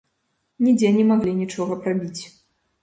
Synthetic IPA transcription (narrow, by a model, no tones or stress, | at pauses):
nʲid͡zʲɛnʲɛmaɣlʲinʲit͡ʂɔɣɐpɾabʲit͡sʲ